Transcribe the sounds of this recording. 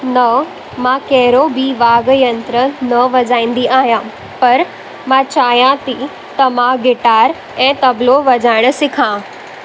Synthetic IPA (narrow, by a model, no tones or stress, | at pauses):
nɐ | mãkɛɦɪɾobʱiʋaːɡjɐ̃nt̪ɾənɐʋɐd͡ʑaːĩːn̆d̪iʔaːɦijãː | pɐɾ | mãt͡ɕaːjãt̪i | t̪ɐmãɡɪʈaːɾ | ɛ̃ːt̪ɐbloʋɐd͡ʑaːɪɽ̃ə̆sɪkʰãː